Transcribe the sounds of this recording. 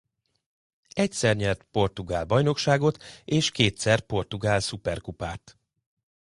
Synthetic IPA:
ɛcsɛrɲɛrt̪po̞rt̪uɡaːlbɒjno̞kʃaːɡo̞t̪eːʃkeːt̪sɛrpo̞rt̪uɡaːlsupɛrkupaːt̪

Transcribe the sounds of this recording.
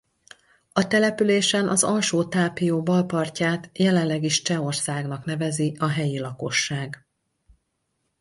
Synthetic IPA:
ɒt̪ɛlɛpyleːʃɛnʔɒzɒlʃoːt̪aːpijoːbɒlpɒrcaːt̪jɛlɛnlːɛɡiʃt͡ʃɛo̞rsaːɡnɒknɛvɛziɒɦɛjilɒko̞ʃːaːɡ

